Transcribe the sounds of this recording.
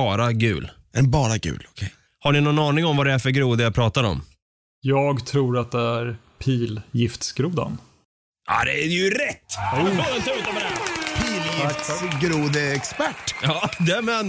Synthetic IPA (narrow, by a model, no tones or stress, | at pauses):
ɑːɾaɡʉ̟ːl | ɛbɑːɾaɡʉ̰ːlɔkʰɛ | haɳɪnɔnɑːnɪŋɔmvad̪ɛæɾfœɾɡɾuːd̪əjapʰɾɑːt̪aɾɔ̰m | jɑːɡt̪ʰɾuːɾat̪̚d̪ɛæɾ | pʰiːljɪft̪sɡ̥ɾuːd̪a̰n | ʔa̰d̪ɛæɾjɵɾɛt̪ːɑːlansɾʉːt̪ɔmɾæpʰiːljɪɡɾuːd̪əɛkspæʈːjɑːd̪æmɛːn